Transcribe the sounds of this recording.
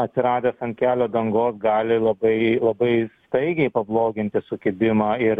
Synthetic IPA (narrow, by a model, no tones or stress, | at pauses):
ɐt̪ʲsʲɪɾɑːd̪ʲesɐnʲkʲæːlʲoːd̪ɐŋɡoːsɡɑːlʲɪlˠɐbɐɪlˠɐbɐɪst̪ɐɪɡʲɛɪpɐblˠoːɡʲɪnʲt̪ʲɪsʊkʲɪbʲɪmɑːɪɾ